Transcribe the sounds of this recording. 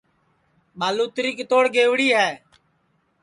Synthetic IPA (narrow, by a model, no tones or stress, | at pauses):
ɓaːluːt̪ɾiːkt̪oːɽɡeːʋɽiːɦɛː